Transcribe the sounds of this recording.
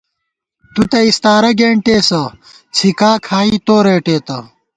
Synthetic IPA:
t̪ut̪ɐist̪aːɾɐɡeːɳʈeːsɐ | t͡sʰikaːkʰaːiːt̪oːɾeːʈeːt̪ɐ

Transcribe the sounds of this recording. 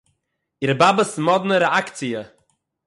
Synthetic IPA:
iɾəbabəsmɔd̪nəɾɛakt͡siə

